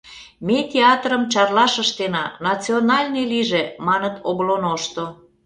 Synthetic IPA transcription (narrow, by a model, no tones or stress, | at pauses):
met̪ʲeɑt̪rəmt͡ɕɑrlɑʃəʃt̪enɑnɑt͡sionɑlʲneliʒemɑnət̪oblonoʃt̪o